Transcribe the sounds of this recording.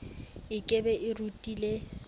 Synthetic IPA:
ɪkʼebɛʔɪrutʼile

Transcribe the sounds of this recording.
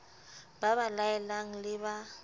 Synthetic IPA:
baβalaɛlaŋ̩lɪba

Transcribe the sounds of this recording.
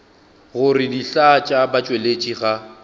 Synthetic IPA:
ɣʊrɪdiɬat͡ʃʼabat͡ʃʼwelet͡ʃʼiɣa

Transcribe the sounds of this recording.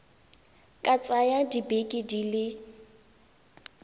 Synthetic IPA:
kʼat͡sʼajadibekʼidilɪ

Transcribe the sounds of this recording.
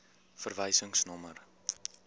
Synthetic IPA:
fərvəjsəŋsnɔmər

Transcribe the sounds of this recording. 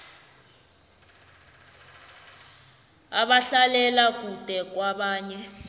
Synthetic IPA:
aɓaɬalɛlak̬ʼud̥ʼʱɛk̬waɓaːɲɛ

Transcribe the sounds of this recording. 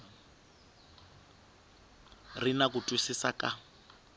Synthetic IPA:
rinakutʼwisisakʼa

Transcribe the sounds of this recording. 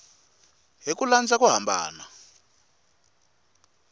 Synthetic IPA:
ɦik̬uland͡zak̬uɦambʱa̰ːna

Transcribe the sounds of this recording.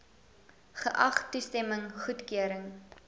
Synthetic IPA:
χəʔɐχtːustɛməŋχutkyəɾəŋ

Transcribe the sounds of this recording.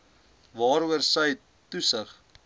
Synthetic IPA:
vɑːɾuərsəj | tusəχ

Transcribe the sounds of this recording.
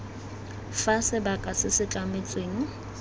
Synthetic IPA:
fasɪbakʼasɪsɪt͡ɬʼamɪt͡sʼweːŋ̩

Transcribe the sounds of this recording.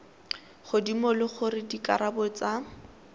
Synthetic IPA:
χʊdimʊlʊχʊrɪdikʼaɾabɔt͡sa

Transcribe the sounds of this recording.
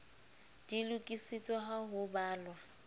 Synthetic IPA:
d̥ilukʼisit͡sʼwaɦaɦʊbaːlwa

